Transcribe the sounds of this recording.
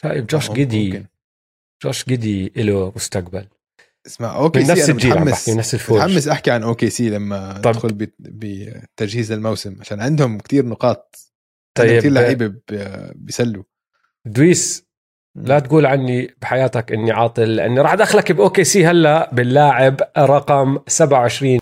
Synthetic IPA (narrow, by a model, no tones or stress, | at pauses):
ʃa̰ːjɪbd͡ʒoːʃɡɪd̪i | d͡ʒo̰ːʃɡɪd̪iʔɪlamʊst̪aqbal | smaħʔoːkɪnːasɪd͡ʒiːlʕaaħkkinːafsɪlfoːɾħamːɪsʔaħkiʕanʔoːkesiːlamːaɪt̪ːɑb̪xʊlbbɪt̪ad͡ʒhiːzalmawsɪmʕaʃaːnʕɪnd̪hʊmkt̪iːɾnʊqɑːt̪̚ | t̪ˤːɑjːɪiːɾlaʕiːbabbjsalːu | d̪wiːs | lat̪ɡuːlʕanːibɪħajaːt̪akʔɪnːiʕɑːt̪ˤɨlːɪʔa̰nːiɾˤɑːħd̪aːxlakbʔoːkeːsiːhalːabɪlːaːʕɪbɾˤɑqɑmsabʕawʕɪʃɾiːn